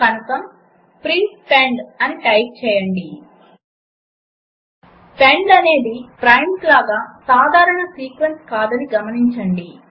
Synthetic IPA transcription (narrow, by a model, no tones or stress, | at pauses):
kɐnɐkɐm | pɾinspeːɳɖɐniʈɐjp̚t͡ʃɛːjɐɳɖi | peɳɖɐne̞ːd̪ipɾɐjmslaːɡaːsaːd̪ʱaːɾɐɳɐsiːkʋɐnskaːd̪ɐniɡɐmɐniɲt͡ʃɐɳɖi